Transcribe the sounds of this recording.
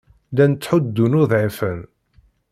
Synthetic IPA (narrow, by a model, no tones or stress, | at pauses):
lænt͡sːħʊd̪ːunʊðʕifən